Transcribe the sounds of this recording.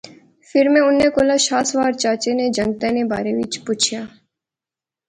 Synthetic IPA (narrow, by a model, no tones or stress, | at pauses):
fɪɾmẽʊnːekoːlaʃaːsʋaːɾt͡ʃaːt͡ʃened͡ʒə̃ŋɡt̪eneba̰ːɾeʋɪt͡ʃpʊːt͡ʃʰjaː